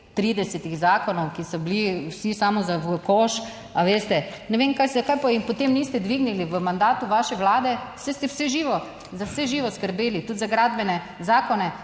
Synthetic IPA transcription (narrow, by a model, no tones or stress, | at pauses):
t̪ɾiːd̪ɛsɛt̪iɣzaːkɔnɔwkisɔbliwsisamɔzaʋəkɔʃ | aʋeːst̪ɛnɛʋemkajszakajpajimpɔt̪emnist̪ɛd̪ʋiɡniliʋəmand̪aːt̪uʋaʃɛʋlaːd̪ɛsɛst̪ɛwsɛʒiʋɔ | zawsɛʒiːʋɔskəɾbeːlit̪ut̪zaɡɾaːd̪bɛnɛ | zaːkɔnɛ